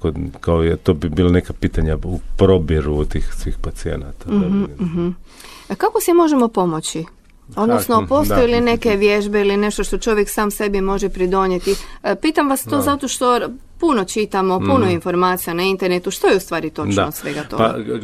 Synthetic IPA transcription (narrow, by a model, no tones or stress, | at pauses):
kokaoet̪oːbibiːlˠanekapiːt̪aɲaupɾobjeɾut̪iːxsʋiːxpat̪siḛna̰t̪aɦm̩ | kako̞simo̞ʒemo̞po̞mot͡ɕi | o̞d̪nosno̞po̞ːst̪ojeline̞ke̞ʋje̞ʒbeiline̞ʃt̪oʃt̪o̞t͡ʃo̞ʋje̞ksaːmse̞bimo̞ʒepɾid̪o̞ɲet̪ipiːt̪amʋast̪o̞zat̪o̞ʃt̪o̞ | puno̞t͡ʃit̪amo̞punoinfo̞ɾmaːt̪sijanaint̪e̞ɾnet̪uʃt̪ojeust̪ʋaːɾit̪o̞t͡ʃosʋe̞ɡat̪o̞ɡa